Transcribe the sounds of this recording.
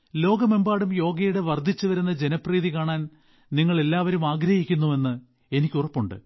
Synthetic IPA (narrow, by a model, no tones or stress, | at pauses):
lo̞ːɡɐmembaːɽumjo̞ːɡɐjuɽeʋɐrd̪ʱit͡ɕːuʋɐɾunːɐd͡ʑe̞nɐpriːðikaːɳaːn | niŋːɐɭe̞lːaːʋɐɾumaːɡɾɐhikʲːunːue̞nːɨ | e̞nikʲːurɐpːuɳɖɨ̰